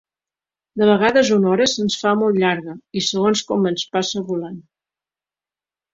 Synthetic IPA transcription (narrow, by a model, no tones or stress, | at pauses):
d̪əβ̞əɣ̞aðəzunɔɾəsənsfamolˠt̪ʎaɾɣəisəɣonskɔmənspasəβulan